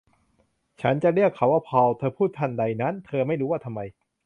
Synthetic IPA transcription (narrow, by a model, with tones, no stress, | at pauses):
t͡ɕʰa˦˥nt͡ɕa˨ʔɾi˥˩əkʰːa˧˦waː˥˩pʰɔː˧˩wt̪ʰɤː˧pʰuː˥˩t̪ʰːa˥˩nda˧˩jna˦˥nt̪ʰɤː˧ma˥˩jɾuː˦˥waː˥˩t̪ʰa˧mːa˧j